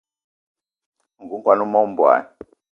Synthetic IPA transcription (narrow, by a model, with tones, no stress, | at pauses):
ŋɡu˨˦ŋkwa˨nu˦mɔ˦u˦m̩˦bwa̰ː˨ni